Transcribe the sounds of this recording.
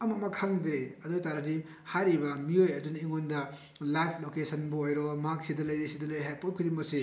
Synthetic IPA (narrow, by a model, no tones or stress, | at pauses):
ɐmamɐkʰaŋdeɐdojtaɾadi | haɾibɐmiojɐdunɐiŋondɐ | lajkʰlokesɐnbuojɾɔmɐɦaksidɐlɐjdesidɐlɐjɾiɦajpɔpkʰidimɐksi